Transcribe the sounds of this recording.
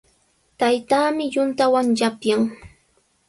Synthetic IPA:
t̪ajt̪aːmɪʎʊnt̪awaŋʎapjaŋ

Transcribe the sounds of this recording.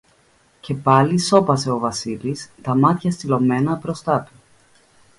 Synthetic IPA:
ce̞pɐliso̞pɐse̞o̞vɐsilist̪ɐmɐt̪çɐst̪ilo̞me̞nɐpɾo̞st̪ɐt̪u̥

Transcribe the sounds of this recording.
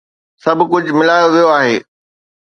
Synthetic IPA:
sɐbʱkʊd͡ʑʱmɪlaːjoʋijoaːɦḛː

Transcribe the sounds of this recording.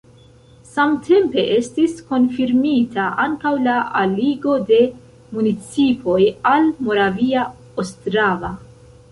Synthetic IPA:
samtʰe̞mpe̞ʔe̞stisko̞nfiɾmitaʔaŋkawlaʔaliɡo̞de̞ | munit͡sipo̞jalmo̞ɾavia | ostɾava

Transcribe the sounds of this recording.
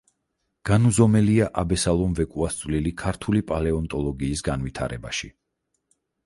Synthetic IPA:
ɡ̥anuzɔmɛliaʔabɛsalˠɔmvɛkʼuast̪sʼvlilikʰaɾt̪ʰulipʼalɛɔnt̪ʼɔlˠɔɡiːsɡanvit̪ʰa̰ɾɛba̰ʃi

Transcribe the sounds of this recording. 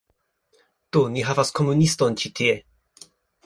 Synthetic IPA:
t̪unʲiɦavaskʰɔmunʲist̪ɔnʲt͡ɕit̪ʰie

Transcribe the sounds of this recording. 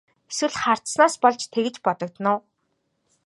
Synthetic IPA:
eswɘ̆ɮχar̥t̪snaːspɔɮt͡ɕt̪ʰeɣɘ̆t͡ɕpɔt̪ɞ̆k̚t̪nʊː

